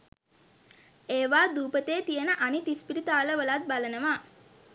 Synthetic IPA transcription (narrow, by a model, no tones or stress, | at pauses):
eːʋaːd̪uːpət̪eːt̪ijənəʔanit̪ispiɾit̪aːləʋəlat̪̚balənəʋaː